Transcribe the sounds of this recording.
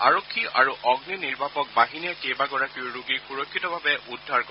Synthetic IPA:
a̰ɹokʰːiʔa̰ɹuʔɔɡniniɹbʱapɔk̚baɦinɛkejbaɡɔɹakiʊɹuɡixuɹɔkʰːitɔbʱabɛʔudʱːaɹkɔ

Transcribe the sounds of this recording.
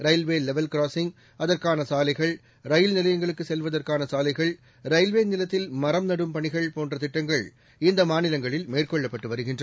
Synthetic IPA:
ɾɐɪlʋeːlɛʋɐlkɾaːsɪŋɡ | ɐðɐrkaːnɐsaːlɐɪɣɐɭ | ɾɐjɪlnɪlɐjɐŋɡɐɭɯkːɯsɛlʋɐðɐrkaːnɐsaːlɐɪɣɐɭ | ɾɐɪlʋeːnɪlɐt̪ːɪlmɐɾɐmnɐɽɯmpɐɳɪɣɐɭpoːndrɐt̪ɪʈːɐŋɡɐɭ | ɪnd̪ɐmaːnɪlɐŋɡɐɭɪlmeːrkɔɭːɐpːɐʈːɯʋɐɾɯɣɪndrɐ

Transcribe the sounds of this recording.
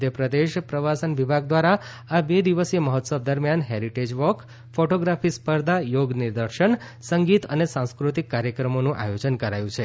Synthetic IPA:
ʊd̪ʱjəpɾəd̪eʃpɾəʋasənʋibʱaɡ̚d̪ʋaɾa | abed̪iʋəseməɦɔt̪səb̚d̪əɾmjanɦeɾiʈed͡ʒʋɔk | foʈoɡɾafispəɾd̪ajoɡniɾd̪əɾʃəɳ | səŋɡit̪ənesãw̃skɾut̪ikːaɾjəkɾəmonũʔa̰jod͡ʒənkəɾajũt͡ʃʰe

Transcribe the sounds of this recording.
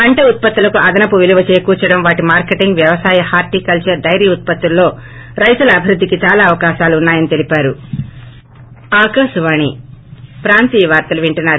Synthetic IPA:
ɐɳʈɐut̪̚pɐt̪ːulɐkuʔɐd̪ɐnɐpuʋiluʋɐt͡ʃeːkuːt͡ʃɐɽɐmʋaːʈimaːɾkeʈiŋɡʋjɐʋɐsaːjɐhaːɾʈiːkɐlt͡ʃɐɾd̪ɐjɾjiut̪̚pɐt̪ːulːo̞ːɾɐjt̪ulɐːbʱiɾud̪ʱːikit͡ʃaːlaːʋɐkaːʃaːlunːaːjɐnit̪e̞lipaːɾu | aːkɐsuʋaːɳipɾaːnt̪iːɐʋaːɾt̪ɐluʋiɳʈɐnːaːɾu

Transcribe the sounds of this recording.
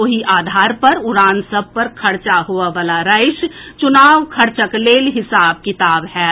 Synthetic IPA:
oɦiʔaːd̪ʱaːɾpɐɾʊɾaːnsəb̚ʱpɐɾkʰɐɾt͡ʃaɦoaʋaːlaɾəɪʃt͡ʃʊnaːʋkʰɐɾt͡ʃəkleːlɦɪsaːb̚kɪt̪aːbɦɛː

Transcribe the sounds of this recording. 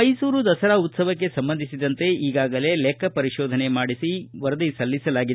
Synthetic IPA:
ɐjsuːɾud̪ɐsɐɾaut̪sɐʋɐk̬ːe̞sɐmbɐnd̪ʱisid̪ɐnt̪e̞iːɡaːɡɐle̞lekʰɐpɐɾiʃɔːd̪ʱɐne̞maːɽisiʋɐɾɐd̪isɐlːisɐlaːɡid̪e

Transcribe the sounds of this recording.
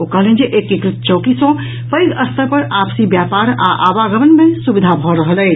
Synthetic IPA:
okəɦəlɦɛnd͡ʒeʔekːekɾɪt̪̚t͡ʃəʊkisɔ̃ | pəjɡəst̪əɾpəɾapsibjapaɾa̰ʔa̰baɡəmənmesubid̪ʱabʱɔɾəɦəlɛː

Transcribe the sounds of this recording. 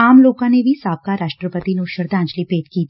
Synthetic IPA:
aːmloːkãnebʱisaːb̚kaɾaːʃʈɾəpət̪inoːʃəɾd̪ãːnt͡ʃlipeːd̪kiːt̪

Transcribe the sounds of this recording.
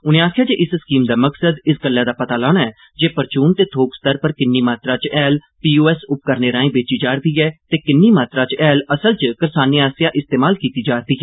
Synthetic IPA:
ʊnẽːaːkʰɪjaːd͡ʒeːʔɪsskiːmd̪aːməksəd̪ɪsɡəlːɛ̃ːd̪aːpət̪aːlaːnaːɛː | d͡ʒeːpəɾt͡ʃuːnt̪eːt̪ʰoːkst̪əɾpəɾkɪnːiːmaːt̪ɾaːt͡ʃɛːl | piːoːɛːsʊp̚kəɾneːɾãːĩːbeːt͡ʃiːd͡ʒaːɾd̪iːɛːt̪eːkɪnːiːmaːt̪ɾaːt͡ʃɛːləsəlt͡ʃkəɾsaːniːaːsɪjaːʔɪst̪eːmaːlkiːt̪iːd͡ʒaːɾd̪iːɦɛː

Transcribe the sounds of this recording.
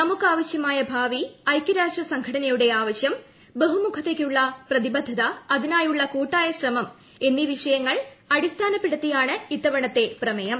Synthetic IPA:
nɐmukːɨaːʋɐɕjɐmaːjɐbʱaːʋiɐjkːɐɾaːʂrɐsɐŋɡʰʱɐɽɐnɐjuɽe̞aːʋɐɕjɐm | beɦumukʰɐt̪ːeːkːuɭːɐprɐðibɐd̪ʱːɐðɐːðinaːjuɭːɐkuːʈːaːjɐɕrɐmɐm | e̞nːiʋiʂɐjɐŋːɐɭɐɽist̪ʰaːnɐpːeɽut̪ːijaːɳɨit̪ːɐʋɐɳɐt̪ːe̞prɐmɐjɐm

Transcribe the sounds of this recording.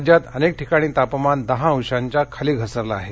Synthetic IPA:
d͡ʑjat̪ənek̚ʈikaɽ̃iːt̪apəmand̪əɦãə̃wʂaɲt͡ɕjakʰaliːɡʱəsəɾlaːɦe

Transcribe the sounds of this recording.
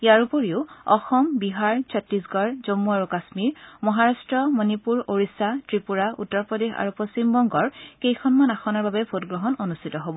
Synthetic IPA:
ijaɹupoɹiʊɔ̰xɔmbiɦaɹsɔtːisɡɔɹzomːuaɹukasmiɹmɔɦaɹastɹɔmɔnipuɹoɹisatɹipuɹaṵtːɔɹpɔdexa̰ɹupost͡ɕimbɔŋɡɔɹkejkʰɔnmanaxɔnɔɹbabɛbʱotɡɹɔɦɔnonustʰitɔɦobɔ

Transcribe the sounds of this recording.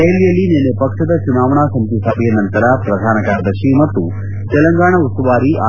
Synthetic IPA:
elːijɐlːinenːepɐkʂɐd̪ɐt͡ʃunaːʋɐɳaːsɐmt̪isaːbʱijɐnɐnt̪ɐɾapɾɐd̪ʱaːnɐkaːɾɐd̪ɐʃimɐt̪ːu | t̪ɛlɐŋɡaːɳɐust̪ɐʋaːɾiʔaː

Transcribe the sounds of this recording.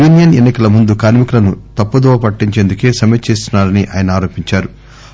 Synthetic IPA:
ʋinijɐnenːikɐlɐmund̪ukaːɾmikulɐnut̪ɐpːɐd̪ɔːʋɐpɐʈːiɲt͡ʃeːnd̪uke̞ːsɐmɐt͡ʃe̞ːs̬t̪unːaːɾɐniʔa̰ːjɐnɐaːɾo̞ːpiɲt͡ʃaːɾu

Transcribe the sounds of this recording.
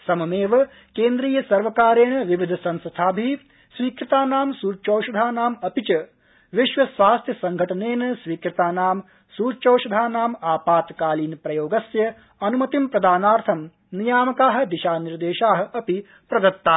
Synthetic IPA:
sɐmɐmeːʋɐ | keːnd̪ɾiːjɐsɐɾʋɐkaːɾeːɳɐʋiʋid̪ʱɐsɐnsɐt̪ʰaːbʱi | sʋiːkɾit̪aːnaːmsuːɾt͡ʃoːʃɐd̪ʱaːnaːmɐpit͡ʃɐ | ʋiʃʋɐsʋaːst̪ʰjɐsɐŋɡʱɐʈɐneːnɐsʋiːkɾit̪aːnaːm | suːɾt͡ʃoːʃɐd̪ʱaːnaːmaːpaːt̪kaːliːnpɾɐjoːɡɐsjɐ | ɐnumɐt̪impɾɐd̪aːnaːɾt̪ʰɐm | nijaːmɐkaːɦɐ̆d̪iʃaːniɾd̪eːʃaːɦɐ̆ɐpi | pɾɐd̪ɐt̪ːaː

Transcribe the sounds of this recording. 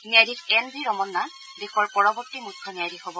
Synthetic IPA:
niajdikɛnbʱiɹɔmɔnːa | dexɔɹpɔɹɔbɔɹtːimutʰːɔniajdixobɔ

